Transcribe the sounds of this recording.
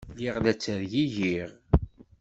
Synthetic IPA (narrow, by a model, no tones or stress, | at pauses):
liʁlæt͡sːəɾjiʝiʁ